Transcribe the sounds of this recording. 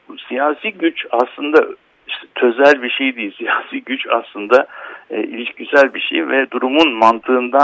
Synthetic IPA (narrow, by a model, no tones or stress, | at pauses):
sijaːsiːɟyt͡ʃaslˠɯnd̪a | ʃt̪ɛt̪ʰøzælʲbiʃejd̪ijilʲsijaːsiːɟyt͡ʃa̰slˠɯnd̪ailʲiʃcʰisælʲbiʃḛjvɛd̪uɾumunmant̪ʰɯːnd̪a